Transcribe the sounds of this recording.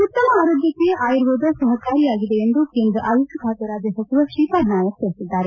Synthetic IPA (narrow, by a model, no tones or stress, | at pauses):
ut̪ːɐmɐaːɾoːd̪jɐkːeʔaːjɾʋoːd̪ɐsɐɦɐkaːɾijaːɡid̪eːnd̪ukend̪uʔaːjusɐbʱaːt̪ɐɾaːd͡ʒ̪ɐsɐt͡ʃiʋɐʃiːpaːd̪naːjɐt̪eɽisid̪ːaːɾe